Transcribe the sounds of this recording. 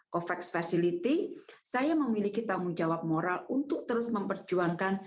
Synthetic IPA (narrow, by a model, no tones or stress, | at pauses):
kɔfɛksfasilit̪isajaməmilikit̪aŋʊŋd͡ʒawap̚moɾalunt̪ʊk̚t̪əɾʊsməmpərd͡ʒuaŋkan